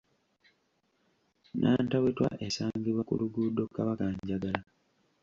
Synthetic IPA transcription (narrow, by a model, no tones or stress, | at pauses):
nʔaːntawetwa̰ʔesaːɲɡiβwakṵluɡudo̞kːaβakaɲɟaɡala